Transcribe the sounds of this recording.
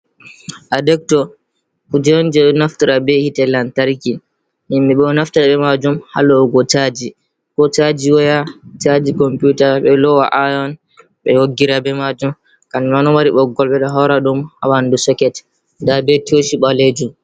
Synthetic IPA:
ʔadɛk̚tɔ | ud͡ʒɛɔnd͡ʒɛɗɔnaftiɾabɛhitɛlantaɾki | nimːɛɓɛnaftaɾaɓɛmad͡ʒumhalɔɡɔt͡ʃad͡ʒi | kɔt͡ʃad͡ʒiwɔjat͡ʃad͡ʒikɔmputaɓɛlɔwa̰ʔajɔn | ɓɛ̰woɡiɾabɛmad͡ʒum | kaniwanɔwaɾiɓɔɡɔlɓɛɗɔɦɔɾaɗumha̰wandusɔkɛt | dabɛtoʃiɓaled͡ʒum

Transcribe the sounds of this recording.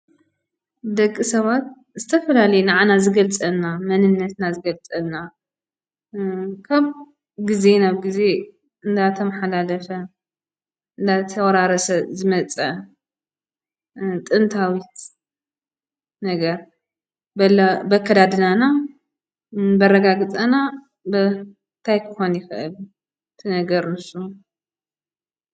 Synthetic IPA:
d̪ɐkʼːisɐβat̪̚ | zɨt̪ʰɐfɐlalɐjnaʕanazɨɡɐlt͡sʼɐnamɐnɨnːɐt̪nazɨɡɐlt͡sʼɐlna | kʰaβ | ɡize̞naβɡize̞ | ɨnd̪at̪ʰɐmħalalɐfɐ | ɨnd̪at̪ʰɐwɐɾaɾɐsɐzɨmɐt͡sʼɐ | t̪ʼɨnt̪ʰawit̪ | nɐɡɐɾ | bɐlɐbɐkʰːɐd̪ad̪nana | bɐrːɐɡaɡɨt͡sʼɐna | bɨ | t̪ʰajkʰɨxo̞njɪxɨʔɨl | ɨt̪ʰɨnɐɡɐɾnɨsʼu

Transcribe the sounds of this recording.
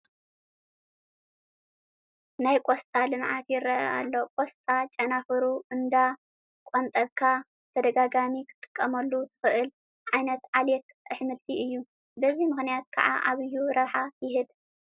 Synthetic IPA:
najkʼost̪ʼalɨmʕat̪jɪɾɐʔɐ̰ʔa̰lːo̞kʼost̪ʼat͡ʃʼɐnafɨɾuʔɨnd̪a | kʷʼont̪ʼɐβkʰa | t̪ʰɐd̪ɐɡaɡamikʰɨ̥t̪ʼɨ̥kʼːɐmɐlːut̪ʰɨ̥xɨʔɨl | ʕajnɐt̪ʕalɛt̪ | ʔɨħmɨlt̪ʰiɨjːu | bɐzimɨxnijat̪̚kʰa̰ʕa̰ʔaβɨjːuɾɐβħajɪɦɨd̪

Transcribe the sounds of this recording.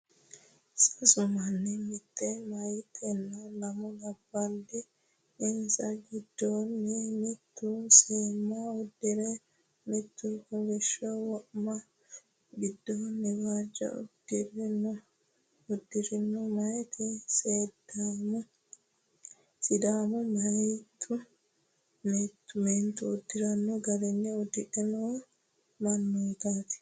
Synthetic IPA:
sɐsʊmɐnːɛmɪt̪ʰːɛmɐjt̪ʰːɛnːɐlɐmɔlɐbːɐld̪ɪ | ɪnsɐɡɪd̪ːonːɛmɪt̪ːusiːmːɐɔd̪ːɪɾɛ | mɪt̪ːukɔɡɛʃːɔwɔʔmɐ | ɡɪd̪ːoːnːɛwaːd͡ʒːɐ̰ʊ̰d̪̥ɪrɪnɔ | ʊd̪ːɪɾɪnːɔmɐjt̪ʰɪseːd̪amʊ | sɪd̪aːmɔmɐjt̪ʰːʊ | met̪ːʊment̪ʊʊd̪ːɪɾɐnːɔɡɐɾɛnːɛɔd̪ːɪʔɛnɔ | mɐnːɔt̪aːt̪ɪ̥

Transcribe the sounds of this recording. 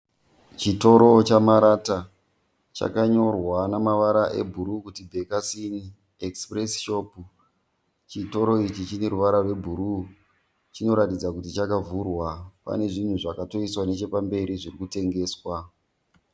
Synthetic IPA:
t͡ʃito̞ɾo̞t͡ʃamaɾata | t͡ʃa̰kaɲo̞rwanamaʋaɾaʔe̞̰bʱuɾukutibʱekasini | ekspresʃopu | t͡ʃito̞ɾo̞it͡ʃit͡ʃine̞ɾuʋaɾarwe̞bʱuɾu | t͡ʃino̞ɾatid͡zakutit͡ʃakavʱurwapa̰ne̞ʐin̤uʐakato̞iswane̞t͡ʃe̞pambe̞ɾiʐirikute̞ŋɡe̞ːswa

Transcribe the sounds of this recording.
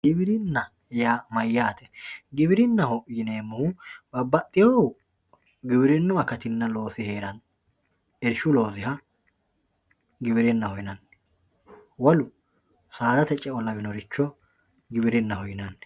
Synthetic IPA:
ɡɪbɪɾɪnːɐ | jamɐjːaːt̪ɛ̥ɡɪbɪɾɪnːɐhɔjɪneːmːʊhʊbɐbːɐt̪ʼːɪjɔw | ɡɪbɪɾɪnːʊɐkɐt̪ɪnːɐlo̞ːsɪhe̞ːɾɐn | ɛɾʃʊlo̞ːzɪɦɐ | ɡɪβɪɾɪnːɐhɔjɪnɐn | wɔlʊ | saːd̪ɐt̪ɛt͡ʃʼːɛɔlɐbɪnɔɾɪt͡ʃːɔ | ɡɪbɪɾɪnːɐhɔjɪnɐnː

